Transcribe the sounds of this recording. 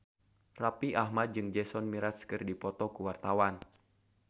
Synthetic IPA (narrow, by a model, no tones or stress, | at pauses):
rapiʔaɦmat̪̚d͡ʒɨŋd͡ʒɛsɔnmiɾaskɨrdipɔt̪ɔkuwart̪awan